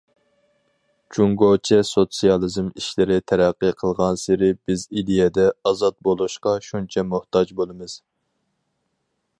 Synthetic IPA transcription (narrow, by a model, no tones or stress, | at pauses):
d͡ʒuŋɡot͡ʃʰɛsot̪sijɑlˠɨzmiʃlɪɾɪt̪ʰɛɾæqːɨqʰəlˠʁɑnsɪɾɪbɪzid̪ejɛd̪ɛɑzɑt̪̚bolˠuʃqɑʃunt͡ʃʰɛmuht̪ɑd͡ʒbolˠɨmɨz̥